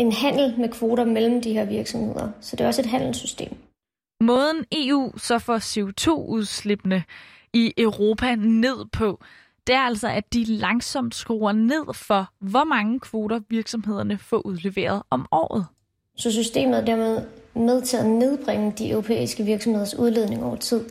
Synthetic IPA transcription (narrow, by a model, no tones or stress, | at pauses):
e̝nɦæn̰l̩mekʰʋo̝ːɾɐmel̰m̩d̥iɦe̝ɐ̰ʋiɐɡ̥sɒ̽mhe̝ð̞̰ˠɐsɒ̽d̥e̝ɒ̽səe̝d̥ɦæn̰l̩sysd̥e̝̰ːm | mɔ̽ːð̞ˠn̩e̝ṵːsɒ̽fɒse̝o̝t͡sʰo̝̰ːuð̞ˠsle̝b̥nə | iʔœʊʁo̝ːpʰæne̝ð̞̰ˠpʰɒ̽ | d̥e̝æɐæl̰sɒ̽ʔæd̥ilɑ̈ŋsɒ̽m̰d̥sɡ̥ʁo̝ːɐne̝ð̞̰ˠfɒ̽ʋɒmɑ̈ŋəkʰʋo̝ːɾɐʋiɐɡ̥sɒ̽mɦe̝ð̞̰ˠɐnəfɒ̰̽ʔuð̞ˠle̝ʋe̝̰ːɐð̞ˠɒ̽mɒ̰ːð̞̩ˠ | sɒ̽s̬ysd̥e̝̰ːməð̩ˠæd̥æɐ̰með̞ˠmeð̞ˠt͡sʰḛð̩ˠne̝ð̞ˠb̥ʁeŋ̰əd̥iʔøʊʁo̝pʰḛːisɡ̥əʋiɐɡ̥sɒ̽mheðˠɐsuðˠle̝ð̞̰ˠne̝ŋɒʊɐt͡sʰið̞̰ˠ